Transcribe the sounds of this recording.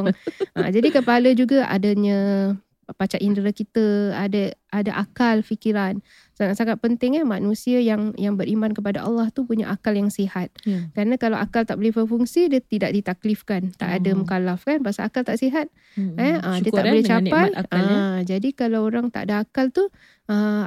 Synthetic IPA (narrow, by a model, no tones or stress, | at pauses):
ŋʔə̰d͡ʒadikəpaləd͡ʒuɡaʔa̰daɲə̃ | pat͡ʃaʔindəɾəkit̪əadəʔadaʔakalfikiɾan | saŋat̪saŋat̪̚pənt̪ɪŋamanũsiajaŋjaŋbəɾimankəp̬adaʔɑ̰lːɑht̪upuɲa̰ʔakaljaŋsihat̪̚kəɾanakalawʔakalt̪aʔbolɛhpərfuŋsidiət̪idaʔ̚dit̪aklifkant̪a̰ʔadamukalafkanpasaakalt̪aʔsiɦat̪̚ | ɛədiəaʔbolɛht͡ʃapaləd͡ʒadikalawoɾaŋt̪aʔadaakalt̪u | ə